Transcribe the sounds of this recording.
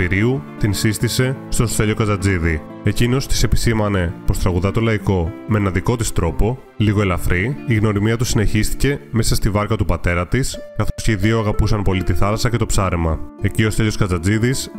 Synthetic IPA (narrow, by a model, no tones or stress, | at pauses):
iɾiut̪insist̪ise̞st̪o̞st̪eʎo̞kɐd͡zɐd͡ziði | e̞cino̞st̪i̥se̞pi̥simɐne̞po̞st̪ɾɐɣuðɐt̪o̞lɐiko̞meenɐðiko̞t̪ist̪ɾo̞po̞ | liɣo̞elɐfɾiiɣno̞ɾimiɐt̪usine̞çist̪i̥ce̞me̞sɐst̪ivɐɾkɐt̪upɐt̪e̞ɾɐt̪iskɐθo̞sceiðioɐɣɐpusɐnpo̞lit̪iθɐlɐsɐcet̪o̞psɐɾemɐe̞cio̞st̪eʎo̞skɐd͡zɐd͡ziðis